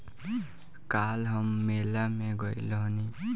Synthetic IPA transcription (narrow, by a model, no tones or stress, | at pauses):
kalɦʌmːelameɡʌjlʌɦni